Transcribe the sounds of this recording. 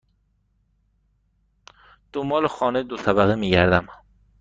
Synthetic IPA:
d̪̥ombɒːlexɒːned̪osæbæɣimiːɡæɾd̪æm

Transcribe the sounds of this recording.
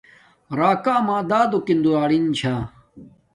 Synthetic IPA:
ɾaːkaːmãːd̪aːd̪okind̪uɾaːɽint͡ɕʰaː

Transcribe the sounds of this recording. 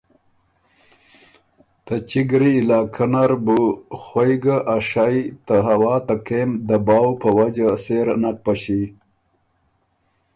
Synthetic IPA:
t̪at͡ʃiɡɾiːlaːkʰanaɾbuxwojɡaʔaʂajt̪aɦawɑːt̪akemd̪əbɑːwpəwad͡ʒaseɾnapaɕi

